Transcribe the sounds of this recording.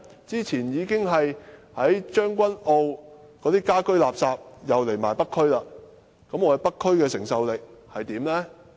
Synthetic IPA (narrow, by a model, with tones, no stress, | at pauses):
t͡siː˥t͡sʰiː˨˩njiː˨˧kɪ˥ŋɦɐ˨jhɐ˨˥jt͡ʃœː˥ŋkʷɐ˥no˧wkɔː˨˧˥t̪iː˥kaː˥kɵ˥ɥlaː˨p̚saː˧p̚jɐ˨˧wle˨˩jmaː˨˩jpɐ˥kʰːɵ˥ɥlaː˧ | kɐ˨˥mɔː˧ɛ˨˧jpɐ˥kʰːɵ˥ɥkɛː˧sɪ˨˩ŋsɐ˧wlɪ˨k̚hɐ˨jt̪iː˨˥mlɛː˥